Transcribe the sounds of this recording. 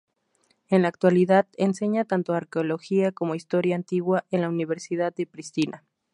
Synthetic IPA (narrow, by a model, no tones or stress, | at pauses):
e̞nlaːk̚t̪waliðaðense̞ɲat̪ant̪oaɾkeo̞lo̞xiako̞mo̞ist̪o̞ɾjaːnt̪iɣwaʔenlauniβe̞ɾsiðaðːe̞pɾist̪inʔa